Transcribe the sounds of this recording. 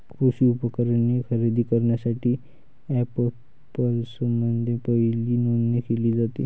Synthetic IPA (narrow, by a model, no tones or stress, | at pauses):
kʰɾusiːupəkəɾanekəɾid̪ʱiːkəɾɳjasaʈiː | æpə | pəlsəmənd̪ʱepəɦiliːnonːekeliːd͡zat̪ḭ